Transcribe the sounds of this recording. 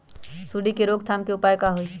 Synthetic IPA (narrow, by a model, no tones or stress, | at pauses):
suːɖikeɾoːɡ̚t̪ʰaːmkeʊpaːjkaɦoi